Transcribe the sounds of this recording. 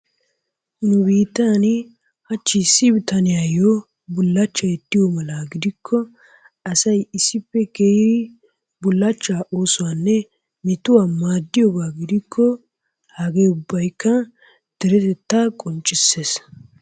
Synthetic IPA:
nʊbiːt̪ːaːnɪ | hɐt͡ʃːɪsɪbt̪ɐnɪjajo | bʊlːɐt͡ʃːɐjɛt̪ːɪjomɐlaɡɪd̪ɪkʰːɔ | ɐsɐjɪsːɪpːɛkeːdɪ | bʊlːɐt͡ʃːaːʔoːsʊwaːnːɛ | mɪt̪ʊwaːmaːd̪ːɪjɔbaːɡɪd̪ɪkʰːɔ | hɐɡeːʊbːɐjkːɐ | d̪̥ɛɾɛt̪ɛt̪ːakʼɔnt͡ʃʼɪsːes

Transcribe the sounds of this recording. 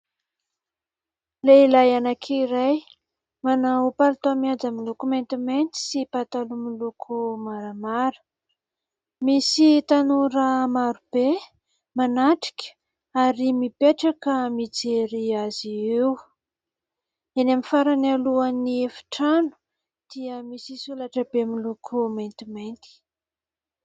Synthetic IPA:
leilajanakʰiɾaj | manaupalt̪amiad͡zamilukument̪iment̪i̥sipat̪alumilukʰumaɾamaɾə̥ | misit̪anuɾəmaɾub̥e | manaʈ͡ʂi̥kʲə̥ | aɾimipeʈ͡ʂakəmit͡seɾiaziw | enamifaɾanaluaniefi̥ʈ͡ʂanu̥ | d̪̥iəmisisulaʈ͡ʂəbemilukʰumajnt̪imajnt̪i̥

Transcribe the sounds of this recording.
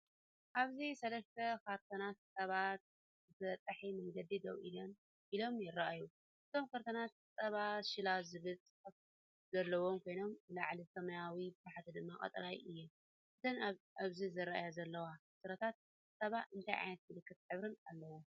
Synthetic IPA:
ʔaβzisɐlɐst̪ʰɐkʰaɾt̪ʰonat̪sʼɐβat̪̚ | zɨt̪ɐt̪ʼːɐħimɐŋɡɐd̪id̪ɐwʔḭlon | ʔilo̞mjɪrːaʔaju | ʔɨt̪ʰo̞mkaɾt̪ʰonat̪sʼɐβaʃɪlazɨβɨt͡sʼɨħɐf | zɐlːɐwo̞mkʰo̞jno̞mɨlaʕlisɐmɐjawibbaħat̪ʰid̪ɨmːakʼɐ̰t̪ʼɾajʔɨjːɛm | ʔɨt̪ʰɐnaβzizɨɾaʔajazɐlːɐwasɨɾɐt̪ʰat̪̚ | sʼɐβaʔɨnt̪ʰajʕa̰jnɐt̪zɨlɨkːɨt̪ħɨβɾɨnalːɐwu

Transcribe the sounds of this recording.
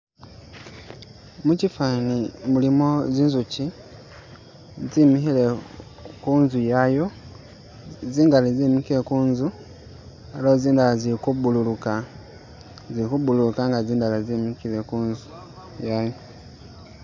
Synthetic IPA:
mucifanimulimo̞ziːnzuci | zimixile | kuːnzujajo | ziːŋɡalizimikilekuːnzu | elooziːndalazikubululuka | zikubululukaŋɡaziːndalazimikilekuːnzu | jajo

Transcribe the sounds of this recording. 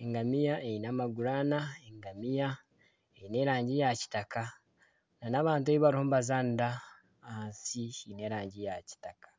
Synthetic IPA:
eŋɡamijaʔejinamaɡuɾaːnaeŋɡamija | ejine̞ːɾaːɲɟijaci̥takʰa | nanaβaːnt̬ueβiβaɾihomβazaːnda | ansine̞ːɾaːɲɟijaci̥takḁ

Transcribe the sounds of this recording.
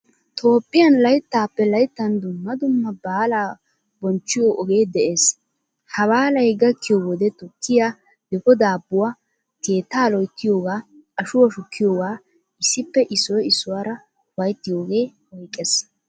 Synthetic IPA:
t̪ʰo̞ːpʼːɪjɐnlɐjt̪ːaːpːɛlɐjt̪ːɐnd̪ʊmːɐd̪ʊmːɐbaːlaː | bɔnt͡ʃːɪjoʔɔɡe̞ːd̪ɛʔeːs | hɐwaːlɐjɡɐkːɪjowɔd̪ɛt̪ʊkːɪjaː | d̪ɛkɔd̪aːbːʊwa | ke̞ːt̪ːaːlɔjt̪ːɪjoːɡaː | ɐʃʊwɐʃʊkːɪjoːɡaː | ɪsːɪpːɛʔɪsːɔjɪsːʊwaːɾɐ | wɐjt̪ːɪjo̞ːɡe̞ːhɔjkʼːes

